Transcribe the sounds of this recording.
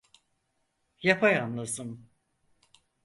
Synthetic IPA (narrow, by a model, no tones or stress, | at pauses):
japʰajanlˠasɯm